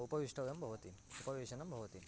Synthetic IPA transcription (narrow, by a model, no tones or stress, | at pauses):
upɐʋiʂʈʰɐʋɐjɐmbʱɐʋɐt̪iupɐʋiʃɐnɐmbʱɐʋɐt̪im